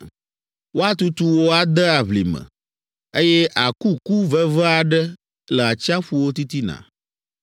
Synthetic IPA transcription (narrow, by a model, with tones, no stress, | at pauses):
wo˦a˦t̪u˦t̪u˦wo˦a˨d̪ə˦a˨βlḭ˨mə̰̃˨ | e˦jɛ˦ʔa˨ku˦ku˦və˦və˦a˨ɖə˦ | lə˨a˨t͡ɕi˦a˦ɸu˦wo˦t̪i˦t̪i˦nã̰˨